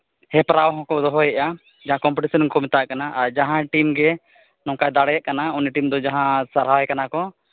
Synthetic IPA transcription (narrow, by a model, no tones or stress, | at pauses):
hɛpɾawɦɔ̃kɔd̪ɔɦɔjɛʔa | d͡ʒaɦãkɔmpɛʈisɔnkɔmɛt̪aʔkanaʔaɾd͡ʒaɦãʈimɡɛ | nɔ̃kajd̪aɽɛjaʔ̚kanauniʈimd̪ɔd͡ʒaɦãsaɾɦajkanakɔ